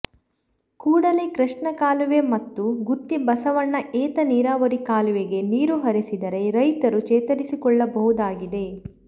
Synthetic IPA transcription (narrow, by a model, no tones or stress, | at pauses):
kuːɽɐle̞kɾɐʂɳɐkaːluʋemɐt̪ːuɡut̪ːibɐsɐʋɐnːɐʔɛːt̪ɐniːɾaːʋɐɾikaːluʋeɡe̞niːɾuɦɐɾisid̪ɐɾe̞ɾɐjt̪ɐɾut͡ʃɛːt̪ɐɽisikɔɭːɐbɐɦud̪aːɡid̪e̞